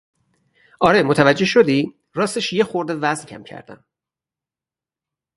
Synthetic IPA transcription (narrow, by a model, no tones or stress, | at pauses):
ʔɒːɾemot̪ʰævæd͡ʒːe̞hʃod̪iː | ɾɒːst̪eʃjexoɾd̪evæzncʰæ̰mcʰæ̰ɾd̪æ̰m